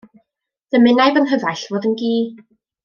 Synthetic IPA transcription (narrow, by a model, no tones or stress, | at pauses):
d̥əmɪnajvənɦəvaɬvoːðənɡiː